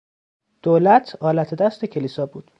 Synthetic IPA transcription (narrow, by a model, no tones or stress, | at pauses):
d̪̥oːlæt̪ʰɒːlæt̪ʰed̪æst̪ecʰe̞liːsɒːbuːd̪̥